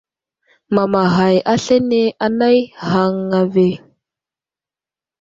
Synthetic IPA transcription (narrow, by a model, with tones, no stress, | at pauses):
ma˨ma˨ɦa˨ja˦ɬe˦ne˦ʔa˦na˦jha˨ŋːa˨ve˨